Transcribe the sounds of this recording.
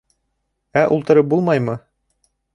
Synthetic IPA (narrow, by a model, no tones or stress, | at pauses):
æʔulˠt̪ɤ̆ɾɤp̚bulˠmɑjmɤ